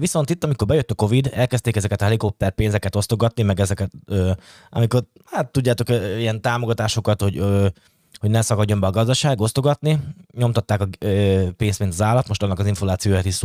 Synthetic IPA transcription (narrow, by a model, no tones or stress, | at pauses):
viso̞nt̪it̪ːɒmiko̞rbɛjøt̪ːɒko̞vid̪ɛlkɛst̪eːkɛzɛkɛt̪ɒɦɛliko̞p̪̚ːɛr̚peːnzɛkɛt̪o̞st̪o̞ɡɒt̪nimɛɡɛzɛkɛt̪øː | ʔɒ̰miko̞r | at̪ːuɟːaːt̪o̞kijɛnt̪aːmo̞ɡɒt̪aːʃo̞kɒt̪ho̞ɟø | hoɟnɛsɒkɒɟːo̞mbɛɒɡɒzd̪ɒʃaːɡo̞st̪o̞ɡɒt̪niɲo̞mt̪ɒt̪ːaːkɒpeːnst̪mint̪ɒzaːlɒt̪moʃt̪ɒnːɒkɒziɱforaːt̪sijoːjaːt̪is